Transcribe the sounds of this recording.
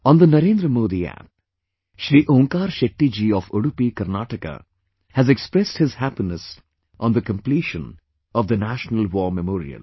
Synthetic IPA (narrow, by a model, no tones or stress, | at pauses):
ɔ̃nd̪ənɐɾẽːnd̪ɾəmoːd̪iæ̰p̚ | ʃɾiːʔõːŋkaːɾʃek̚ʈːid͡ʒiːɔːfoɽupikɐɾnaːʈəka̰ | hæzekspɾɛsʈhɪzhæpinəs | ʔɔ̃nd̪əkə̃mpliʃə̃n | ɔʋd̪ənæʃnəlʋɔːmɛmɔːɾḭə̰l